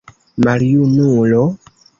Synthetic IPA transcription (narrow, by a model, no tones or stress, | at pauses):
maɾijunũlɔ